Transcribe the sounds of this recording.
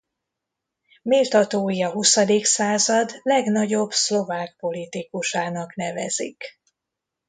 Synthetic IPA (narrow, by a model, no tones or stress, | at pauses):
milt̪ɒt̪oːjiɒɦusɒd̪iksaːzɒd̪lɛɡnɒɟo̞bslo̞vaːk̚po̞lit̪ikuʃaːnɒknɛvɛzḭk